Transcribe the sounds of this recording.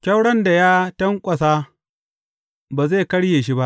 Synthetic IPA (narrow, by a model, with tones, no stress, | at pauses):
kʲɐ˦wɽɐ˦nda˨jaː˦tɐ˦ŋkʷʼɐ˨saː˦ | baː˨ze˦˨kɐ˦ɽjeː˨ʃi˦ba˦ʔ